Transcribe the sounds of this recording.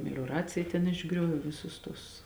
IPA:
mʲɛlʲoːˈrɑːt͡sʲɪjɛ tʲɛn ɪʒˈɡrʲoːʋʲeː ˈʋʲɪsʊs tʊs

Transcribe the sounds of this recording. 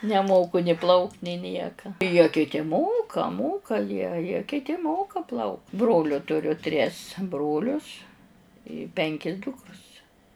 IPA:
nʲɛˈmoːkʊ nʲɪ ˈplˠɐʊktʲ nʲɪ ˈnʲiɛkɐ jiɛ kʲɪˈtʲɪ ˈmoːkɐ ˈmoːkɐ jiɛ jiɛ kʲɪˈtʲɪ ˈmoːkɐ ˈplˠɐʊk ˈbroːlʲʊ tʊˈrʲʊ tʲrʲɪs ˈbroːlʲʊs ɪ ˈpʲɛŋʲkʲɪ ˈdʊkrʊs

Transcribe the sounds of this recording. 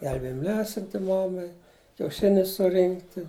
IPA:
ˈɡʲɛlʲbʲeːjɪm ˈlʲæːsʲɪnʲtʲɪ ˈmɑːmɐɪ kʲɛʊˈʃʲɪnʲʊs sʊˈrʲɪŋktʲɪ

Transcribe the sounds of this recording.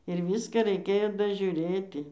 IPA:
ɪr ˈʋʲiːskɑː rʲɛɪˈkʲeːjoː dɐʒʲʊˈrʲeːtʲɪ

